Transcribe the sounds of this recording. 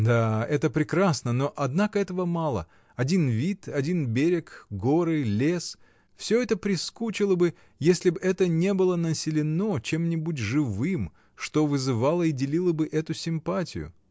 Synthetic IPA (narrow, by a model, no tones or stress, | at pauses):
d̪aɛt̪əpɾʲɪkɾasnənoʔɐd̪nakəɛt̪əvəmalˠə̰ | ɐdʲinvʲit̪ɐdʲinbʲeɾʲɪkɡoɾɨlʲe̞s | fsʲɵɛt̪əpɾʲɪskut͡ɕɪlˠəbɨ | jesʲlʲɪbɛt̪ənʲe̞bɨlˠənəsʲɪlʲɪno̞t͡ɕe̞mnʲɪbutʲʐɨvɨm | ʂt̪o̞vɨzɨvalˠəidʲɪlʲilˠəbɨʔɛt̪ʊsʲɪmpatʲɪ̰jʊ̰